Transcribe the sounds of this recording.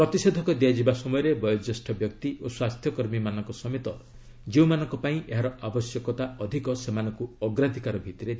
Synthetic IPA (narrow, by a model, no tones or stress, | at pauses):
pɾɔt̪ised̪ʱɔkɔd̪iad͡ʒibasɔmɔjɔɾebɔjɔd͡ʒesʈʰɔbjɔkt̪iʔoswast̪ʰjɔkɔɾmimanɔŋkɔsɔmet̪ɔ | d͡ʒeũmanɔ̃ŋkɔpaĩʔeɦaɾɔʔabɔsjɔkɔt̪aɔd̪ʱikɔsemanɔŋkuɔɡɾad̪ʱikaɾɔbʱit̪ɔɾe